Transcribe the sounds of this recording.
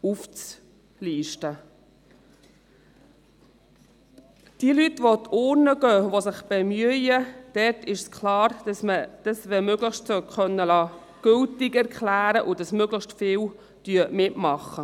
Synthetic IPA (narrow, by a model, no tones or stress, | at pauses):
uft͡s | liːʃtə | d̥iəlytʋotʰoːɾnəɡœːʋosɪχb̥emyəjəd̥ɛɾtʰɪʃskʰlɑːɾməd̥ɑsʋɛmøɡləχʃtsokχœnːəlɑː | ɡ̥ʏltɪkɛɾkʰlæːɾəʔʊdɑsmøɡləχʃtfɪːw | d̥yəmɪtmɑχːə